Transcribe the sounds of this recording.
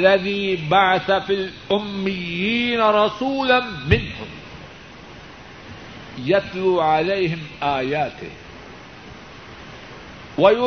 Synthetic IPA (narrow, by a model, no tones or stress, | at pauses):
lːaðiːbaʕaθafilʔʊmːɪjːiːnaɾˤɑsuːlanmɪnhʊm | jat̪luːʕalejɦɪmʔaːjaːt̪ɪ̰h | waj